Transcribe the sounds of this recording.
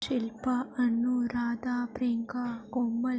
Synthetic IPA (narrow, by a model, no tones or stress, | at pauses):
ʃilpɐɐnːuɾaːd̪aːpɾeːŋkakomːɐl